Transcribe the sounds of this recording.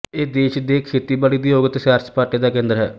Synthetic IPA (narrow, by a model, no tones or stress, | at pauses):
eːd̪eːʃd̪eːkʰeːt̪iːbaːliːd̪iːoːɡət̪ʃaːɾt͡ʃpaːɾʈiːd̪aːkẽːnd̪əɾɦɛ̰ː